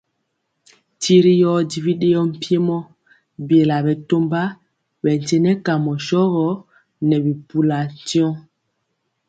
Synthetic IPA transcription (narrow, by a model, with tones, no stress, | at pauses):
ti˦ɾi˦jɔ˦di˨vi˦ɗe˦ɔ˦m̩˦˨pje˦mɔ˦ | bje˨la˨bɛ˨to˦mba˦ | bɛ˨n˨tɛ˦nɛ˦ka˨mɔ˨ʃɔ˦ɣɔ˦ | nɛ˨bi˨pu˨la˨tjɔ̃˦